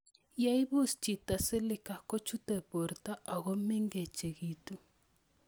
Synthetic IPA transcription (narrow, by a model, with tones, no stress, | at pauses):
ja˦i˦βu˦˨st͡ʃi˨ta˨sɛ˦li˦ka˨kɔ˦t͡ʃu˦tɛ˨pɔ˨ɾta˦ʔa˨ɣɔ˦mɛ˦ŋɡɛ˨t͡ʃɛ˨ɣi˨tu˨